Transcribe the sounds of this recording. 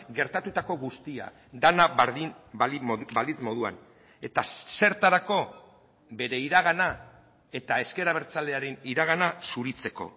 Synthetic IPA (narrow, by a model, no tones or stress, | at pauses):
ɡe̞ɾt̪at̪ut̪ako̞ɣust̪ia̰ | d̪anaβaɾðin | balit͡smo̞ð̞ua̰n | e̞t̪ase̞ɾt̪aɾako̞ | be̞ɾe̞iɾaɣ̞ana | e̞t̪ae̞ske̞ɾaβ̞e̞ɾt͡sald̪e̞aɾeniɾaɣ̞anasuɾit͡se̞ko̞̰